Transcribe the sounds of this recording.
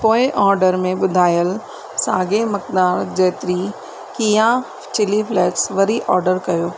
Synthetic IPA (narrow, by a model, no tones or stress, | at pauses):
poːɪʔɔːɾɖəɾmẽɓʊd̪ʱaːjəl | saːɡemɐk̚d̪aːɾd͡ʑɛːt̪ɪɾi | kiːjã | t͡ɕɪlifʰlɛːʈsʋɐɾiʔɔːɾɖəɾkɐjoː